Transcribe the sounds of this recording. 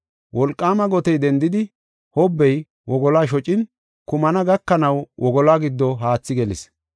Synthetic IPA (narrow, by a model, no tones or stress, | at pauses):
wɔlkʼːaːmɐɡɔt̪ɛjd̪ɛnd̪ɪd̪ɪ | hɔbːɛj | wɔɡɔlaːʃ̬ɔt͡ʃʼɪn | kʊmɐnɐɡɐkːɐnɐwʔɔɡɔlaːɡɪd̪ːɔɦaːt͡sːɪɡɛlɪ̰s